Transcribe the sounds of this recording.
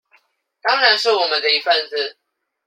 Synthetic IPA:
t̪ɑ˥ŋɻa˧˦nʂɻ̩˥˩wɔ˨˩mə˨˦nd̪ə˧i˧˥fa˥˧nt͡sɹ̩˥˨

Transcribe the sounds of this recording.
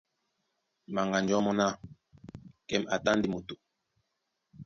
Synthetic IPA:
ma˨ŋɡa˨nd͡ʒɔ˨˦mɔ˦na˦ | kɛ˦ma˨ta˦ndi˨mu˨tu˨

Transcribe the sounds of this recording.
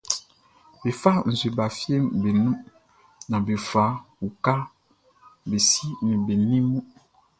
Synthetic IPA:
be˨fa˦n̩˨zwe˨ba˨fje˦mbe˨nũ˦ | nã˨be˨fa˨˦wu˨ka˦ | be˨si˦nĩ˨be˨nĩ˦mũ˦

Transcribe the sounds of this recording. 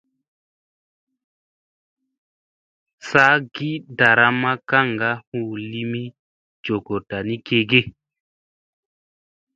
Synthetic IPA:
sa˦ɡi˦da˨ɾa˦ma˦ka˦˨ŋɡa˦huː˦˨li˦mi˦ | d͡ʒo˨ɡo˨ta˨ni˦ke˨ɡe˦

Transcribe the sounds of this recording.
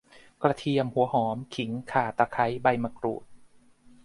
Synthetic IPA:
kɾa˧t̪ʰi˧əmhu˩˦ɐhɔː˩˦mkʰi˩˦ŋkʰaː˧˨˩t̪a˧kʰa˦˥jba˧jma˧kɾṵː˨˩t̪̚

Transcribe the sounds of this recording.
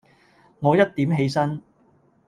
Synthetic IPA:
ŋɔː˨˧jɐ˥t̚t̪iː˨˥mɦe˨˧jsɐ˥n

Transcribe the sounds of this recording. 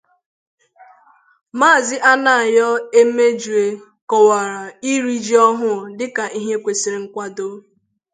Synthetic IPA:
maː˦˨zɪ˦ʔa˦na˨a˨jɔ˦e˦me˦d͡ʒu˨e˨ | kɔ˨wa˨ɾa˨i˦ɾi˦d͡ʒi˦ɔ˦ɦʊ˦˨dɪ˦ka˨ʔi˦ɦe˦kʷe˨si˨ɾɪ˨ŋ̩˦kʷa˦do˦

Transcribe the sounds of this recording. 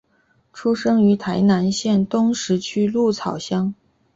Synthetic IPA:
ʈ͡ʂʰu˥ʂɤ˥ŋy˧˥t̪ʰa˧˥ɪna˧˥nɕjɛ˥˩nt̪ʊ˥ŋʂɻ̩˧˥t͡ɕʰy˥lu˥˩t͡sʰɑ˨˩ʊɕjɑ˥ŋ

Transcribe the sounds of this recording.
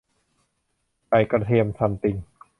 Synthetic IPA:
pa˧˩jkɾa˧t̪ʰi˧əmsʰa˧mt̪i˧ŋ

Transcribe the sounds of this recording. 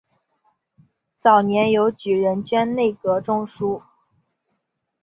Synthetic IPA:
t͡sɑ˨˩ʊnjɛ˧˥njo˧˥ʊt͡ɕy˨˩ɻə˧˥nt͡ɕɥɛ˥nne˥˩ɪkɤ˧˥ʈ͡ʂʊ˥ŋʂu˥

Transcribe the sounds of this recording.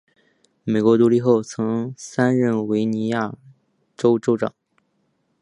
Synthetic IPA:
me˨˩ɪkwɔ˧˥t̪u˧˥li˥˧xo˥˩ʊt͡sʰɤ˧˥ŋsa˥nɻə˥˩nwe˧˥ɪni˧˥ja˥˩ | ʈ͡ʂo˥ʊʈ͡ʂo˥ʊʈ͡ʂɑ̰˨˩˦ŋ

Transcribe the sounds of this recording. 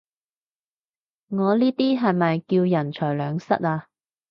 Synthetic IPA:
ŋɔː˨˧liː˥t̪iː˥ɦɐ˨jmɐ˨jkiː˧wjɐ˨˩nt͡ʃʰœː˨˩jlœː˨˧ŋsɐ̰˥t̚aː˧

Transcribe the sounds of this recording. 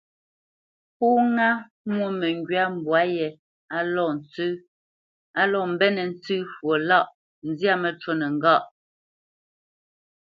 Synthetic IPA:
pu˦ŋa˦ | mwo˦˨mɛ˨ŋɡɥa˦m̩˨bwa˨˦jɛ˨ | a˨lɔ˦˨n̩˨t͡sʉ˦ | a˨lɔ˨m̩˨bɛ˦nɛ˨n̩˦t͡sʉː˦fwo˨la˦˨ʔ | n̩˦zja˦mɛ˨t͡ʃo˦nɛ˨ŋ˦ɡa˦˨ʔ

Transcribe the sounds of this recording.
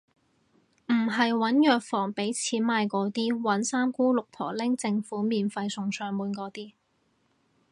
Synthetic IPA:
m̩˨˩ɦɐ˨jwɐ˨˥njœː˨k̚fɔː˨˩ŋpe˨˥jt͡sʰiː˨˥nmaː˧jkɔː˨˥t̪iː˥wɐ˨˥nsaː˥mkuː˥lʊ˨k̚t̪ʰɔ̰ː˨˩lɪ˥ŋt͡sɪ˧ŋfuː˨˥miː˨nfɐ˧jsʊ˨ŋsœː˨˧ŋmuː˨˥nkɔː˨˥t̪iː˥

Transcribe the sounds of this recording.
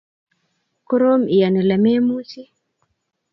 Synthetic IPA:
kɔ˦ɾɔ˦mi˨ja˨nɛ˨la˨mɛ˦mu˦t͡ʃi˦

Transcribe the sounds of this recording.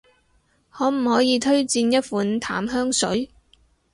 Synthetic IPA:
hɔː˨˥m̩˨˩hɔː˨˥jiː˨˧t̪ʰɵ˥ɥt͡siː˧njɐ˥t̚fuː˨˥nt̪ʰa̰ː˨˥mɦœː˥ŋsɵ̰˨˥ɥ

